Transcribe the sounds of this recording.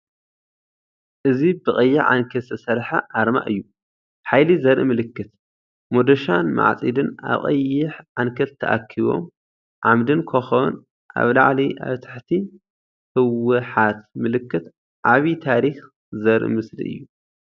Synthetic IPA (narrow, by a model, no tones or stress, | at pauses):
ʔɨzibɨkʼɐjːɪʕʕa̰nkʰɐsɐsɐɾħaʔaɾma̰ʔɨjːu | ħajlizɐɾʔimɨlɨkːɨt̪ | mod̪ɐʃanma̰ʕt͡sʼid̪ɨna̰βχʼɐ̰jːɪħʕankʰɐlt̪ʰɐ̰ʔa̰kʰːiβo̞̰m | ʕamd̪ɨnkʰɐxɐn | ʔa̰βla̰ʕliʔa̰βt̪ʰḁħt̪ʰi | hɨwɨħat̪mɨlɨkːɨt̪ | ʕaβit̪ʰaɾix | zɐɾʔḭmɨslḭʔɨ̰jːu